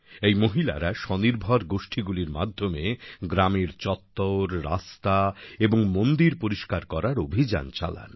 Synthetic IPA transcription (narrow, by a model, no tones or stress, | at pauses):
ejmoɦila̰ɾaʃɔniɾbʱaɾɡoʃʈʰiɡuliɾma̰d̪ʱːomeɡɾameɾt͡ɕɔt̪ːoɾɾa̰st̪aeboŋmond̪iɾpoɾiʃkaɾkɔɾaɾobʱid͡ʑa̰nt͡ɕa̰la̰n